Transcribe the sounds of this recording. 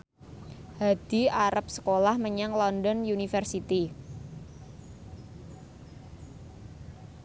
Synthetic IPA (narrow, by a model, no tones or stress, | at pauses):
had̪̥i̤aɾap̚sə̥kolahməɲaŋlɔndɔnjunifərsit̪i